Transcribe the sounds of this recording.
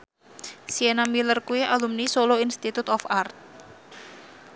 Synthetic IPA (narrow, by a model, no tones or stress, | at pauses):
sienamilərkuiʔalumnisoloinst̪it̪ut̪ɔfart̪̚